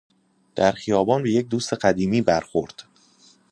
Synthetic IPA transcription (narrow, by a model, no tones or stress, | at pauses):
d̪̥æɾxijɒːbɒːnbe̞jec̚d̪uːst̪e̞ɢæd̪iːmiːbæɾxoɾd̪̥